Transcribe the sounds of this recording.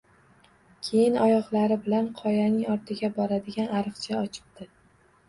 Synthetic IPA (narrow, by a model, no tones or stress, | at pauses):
kʲʰe̞jɪnɒjɒʁlˠaɾɪbɪlanqʰɒjanɪŋɒɾt̪ʰɪɡʲabɒɾad̪ɪɡʲanaɾɨqt͡ʃʰaɒt͡ʃʰɪ̥b̚d̪̥ɪ